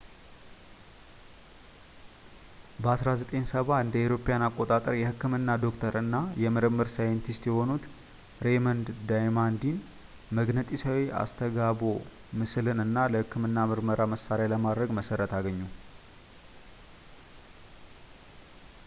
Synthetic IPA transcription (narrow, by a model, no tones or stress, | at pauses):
bəasɾazət̪ʼensəβaɨnd̪əewɾo̞pːejanakʼːot̪ʼat̪ʼəɾjɛhɨkːɨmɨnːad̪o̞kt̪ʰəɾɨnːajɛmɨɾɨmːɨɾsajɛnt̪ʰist̪jɛho̞nut̪ | ɾe̞mənd̪d̪ajmand̪in | məɡnət̪ʼisawiʔa̰st̪ʰəɡabo̞ | mɨslɨnɨnːaləhɨkːɨmɨnːamɨɾməɾaməsaɾaləmad̪ɾəɡməsəɾət̪aɡəɲːu